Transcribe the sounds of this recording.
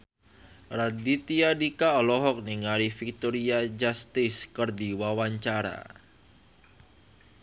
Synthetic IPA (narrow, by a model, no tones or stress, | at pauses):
ɾadit̪iadikaɔlɔɦɔk̚niŋaɾifik̚t̪ɔɾiad͡ʒast̪ɪskərdiwawaɲt͡ʃaɾa̰